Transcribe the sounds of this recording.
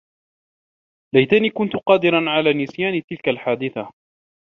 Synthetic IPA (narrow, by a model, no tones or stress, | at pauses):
lajt̪aniːkʊnt̪ʊqɑːd̪ɪɾanʕalaːnɪsjaːnt̪ɪlkalħaːd̪ɪθa